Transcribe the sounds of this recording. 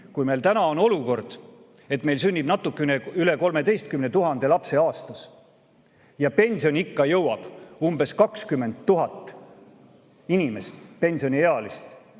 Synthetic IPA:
kujme̞jlt̪ænɑo̞no̞luko̞rd̪̥ | e̞t̪me̞jlsynʲːib̥nɑt̪ːˑukːˑeneyle̞ko̞lme̞d̪e̞jst̪̚kymnet̪uɦɑnd̪̥e̞lɑpse̞ɑːst̪ɑs | jɑpe̞nʲsio̞nʲikːɑjɤwɑb̥umbe̞skɑkskymːend̪ːuɦɑt̪ˑː | inime̞st̪pe̞nʲsio̞nieɑlist̪

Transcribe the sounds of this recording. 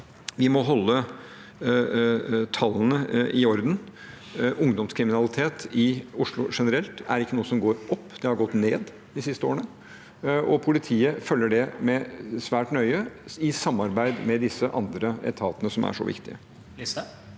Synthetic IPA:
ʋɪmɔɦɔlːə | t̪ʰɑlːənəʔɪɔɾd̪n | ʊŋd̪ɔmskʰɾɪmɪnɑlɪt̪ʰeːt̪ɪʊʂlʊʂɛnəɾɛlt̪æɾɪkːənuːəsɔmɡoːɾɔpːd̪̥ɛhɑɾɡɔt̪ːneːd̪ | d̪ɪsɪst̪əo̰ːɾəɳə | ʔɔpʰʊlɪt̪ʰiːəfœlːəɖɛmɛsʋæːʈnœʏəɪsɑmːɑɾbæɪd̪mɛd̪ɪsːəʔɑ̰nd̪ɾəɛ̰t̪ʰɑːt̪ənəsɔmæ̰ʂɔ̰ʋɪ̰kt̪ɪə̰

